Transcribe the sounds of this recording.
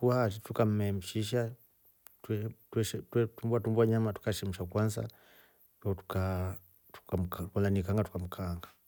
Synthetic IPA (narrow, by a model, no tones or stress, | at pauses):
kuatitukam̩mɛm̩ʃiʃ̬a | ttwʃɛtwɛtumbwatumbwaɲamatu̥kaʃɛm̩ʃakwanza̰ | tatu̥ka | tu̥kam̩kakanlanikaŋɡatu̥kam̩kʰaŋɡa